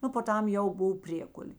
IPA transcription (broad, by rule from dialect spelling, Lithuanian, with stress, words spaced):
ˈnʊ poː ˈtɐm ˈjɛʊ ˈboːw ˈpʲrʲiɛkʊlʲeː